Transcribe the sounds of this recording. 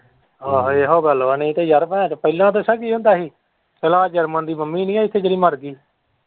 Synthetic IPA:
oːɦeːɦoːɡəloanĩːt̪eːd͡ʒəɾpɛ̃ːt͡ʃːpəilãːt̪oːsəɡiːɦʊ̃nd̪aːɦiː | kəlaːd͡ʒəɾmənd̪iːməmːiːnĩːaːɪt̪ʰːeːd͡ʒəɾiːməɾɡiː

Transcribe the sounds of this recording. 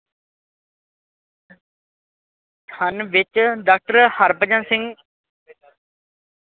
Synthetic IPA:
t̪ʰənʋɪt͡ʃɖaːk̚ʈəɾhəɾpəd͡ʒãːsɪ̃ŋɡ

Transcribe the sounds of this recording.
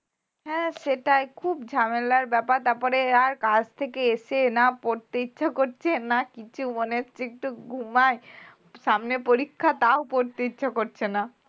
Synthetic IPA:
ɦɛ̃ʃeʈajkʰubd͡ʑʱamelaɾbɛpaɾt̪aɾpɔɾeaɾkad͡ʑt̪ʰekeeʃenapoɾt̪eitːɕʰakoɾt͡ɕʰenakit͡ɕʰumoneat͡ɕʰeek̚ʈuɡʱumae | ʃamnepoɾikʰːat̪aopoɾt̪etːɕʰakoɾt͡ɕʰena

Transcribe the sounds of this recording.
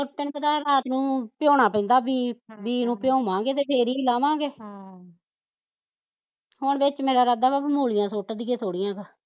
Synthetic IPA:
ʊʈ̚t̪ɪnpəd̪aːɾaːt̪nũːpjoːɳaːpɛ̃nd̪aːbiːbiːnũːpjõːmãːɡeːt̪eːpʰeːɾiːlãːmãːɡeː | ɦʊɳʋɪt͡ʃmeːɾaːɾad̪aːapmuːlɪjãːsoːʈːd̪ɪkeːt̪ʰoːɽɪjãːɡaː

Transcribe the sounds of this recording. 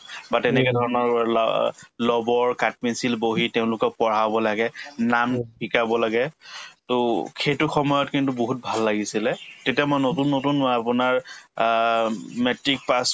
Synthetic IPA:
batɛnɛkɛdʱɔɹɔnɔɹ̰ | lɔbɔɹkat̚pinsilboɦitɛʊ̃lʊkɔk̚pɔɹabɔlaɡɛnambikabɔlaɡɛtʊkʰetʊxɔmɔjɔtkintuboɦut̚bʱalːaɡisilɛtetijamojnotunːotunmɔapʊnaɹ | mɛtɹik̚pas

